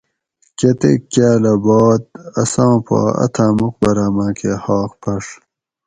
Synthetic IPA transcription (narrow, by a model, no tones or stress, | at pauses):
ket̪ḛkːjaːlɐboːt̪̚ɐ̰sãːpa̰ːɐ̰t̪ʰaːmuq̚bɐɾaːmãːkehaːqpʰɐʂ